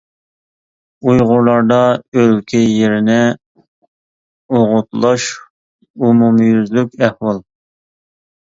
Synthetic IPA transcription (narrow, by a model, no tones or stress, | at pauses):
ujʁʊɾlˠɑɾd̪ɑølkʲʰɛjeɾɪnɪ | oʁʊt̪lˠɑʃ | umumjyzlykʲæhwɑlˠ